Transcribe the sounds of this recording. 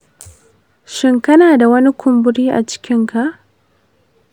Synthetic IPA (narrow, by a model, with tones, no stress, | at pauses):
ʃɪ˦ŋkɐ˦naː˨da˨wɐ˦ni˦kʷʰʊ˨mbʊ˦ɽiː˦ʔa̰˨t͡ʃɪ̥˦kʲɪ˦ŋka˨ʔ